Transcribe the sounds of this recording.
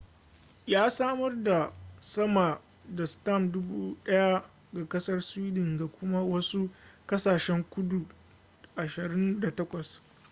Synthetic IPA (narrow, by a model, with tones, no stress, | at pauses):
jaː˦saː˦mɐ˦rda˨sɐ˦ma˨ | da˨sta˦˨mdʊ˦buː˦ɗɐ˦ja˦ | ɡa˨kɐ˦sɐ˦rsiː˦dɪ˨ŋɡa˨kʷʊ˦ma˦wɐ˦su˦kɐ˦saː˨ʃɛ˦ŋkʷʊ˦du˨ | ʔa˨ʃɪ˨ɾɪ˦nda˨tɐ˦kʷɐ˨s